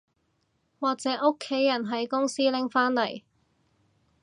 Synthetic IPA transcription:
waː˨k̚t͡sɛː˨˥ʔo˥kʰːe˨˥jːɐ˨˩nɦɐ˨˥jkʊ˥ŋsiː˥lɪ˨˥ŋfaː˥nlɐ˨˩j

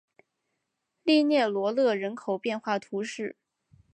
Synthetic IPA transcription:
li˥˧njɛ˥˩lwɔ˧˥lɤ˥˩ɻə˧˥nkʰo˨˩ʊpjɛ˥˧nxwa˥˩t̪ʰu˧˥ʂɻ̩˥˩

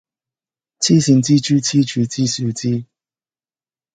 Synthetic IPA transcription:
t͡ɕʰi˥˩ɕi˨˦ŋt͡ɕi˦t͡ɕʰy˦t͡ɕʰi˥˦t͡ɕʰy˧t͡ɕi˦su˨˧˦t͡ɕi˦

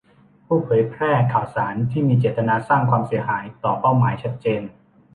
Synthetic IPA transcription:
pʰuː˥˩pʰɤː˩˦jpʰɾɛː˥˩kʰaː˨˩wsaː˩˦nt̪ʰiː˥˩miː˧t͡ɕeː˨˩t̪ːa˧naː˧saː˥˩ŋkʰwaː˧msi˩˦ɐhaː˩˦jt̪ɔː˨˩pa˥˩wmaː˩˦jt͡ɕʰa˦˥t̪̚t͡ɕeː˧n

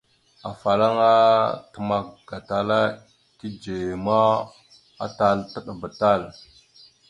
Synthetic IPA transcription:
a˨fa˨la˦ŋa˦tə˨ma˨kɡ̥a˨ta˨la˦ | ki˦d͡ʒe˨ma˦ | a̰˦ta˦ltə˦ɗa˨ba˨ta˦l

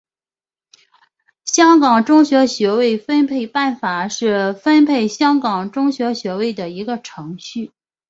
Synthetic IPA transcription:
ɕjɑ˥ŋkɑ˨˩ŋʈ͡ʂʊ˥ŋɕɥɛ˧˥ɕɥɛ˧˥we˥˩ɪfə˥npʰe˥˧ɪpa˥˩nfa˨˩ʂɻ̩˥˩fə˥npʰe˥˩ɪɕjɑ˥ŋkɑ˨˩ŋʈ͡ʂʊ˥ŋɕɥɛ˧˥ɕɥɛ˧˥we˥˩ɪd̪ə˩i˧˥ɡə˧ʈ͡ʂʰɤ˧˥ŋɕy˥˩

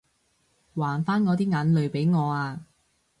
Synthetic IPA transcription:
waː˨˩nfaː˥nŋɔː˨˧t̪iː˥ŋaː˨˧˥nlɵ˨ɥpe˨˥jŋɔː˨˧aː˧

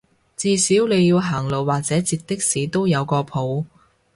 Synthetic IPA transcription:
t͡siː˧siː˨˥wle˨˧jːiː˧wɦaː˨˩ŋlo˨˩wwaː˨k̚t͡sɛː˨˥t͡siː˧t̚t̪ɪ˥k̚siː˨t̪o˥wjɐ˨˧wkɔː˧pʰo˨˥w

